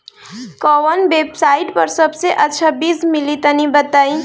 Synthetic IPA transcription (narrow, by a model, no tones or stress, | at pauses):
kɔwənbeːbsaiʈpəɾsəbseʔətːʃʰəbiːsmilit̪ənibət̪aĩ